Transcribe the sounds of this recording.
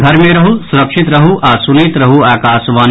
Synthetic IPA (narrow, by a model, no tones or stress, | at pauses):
ɡʱɐɾmeɾɐɦusuɾəkʂʰit̪ɾɐɦuʔasunet̪ɾɐɦuaːkaːsʋaːn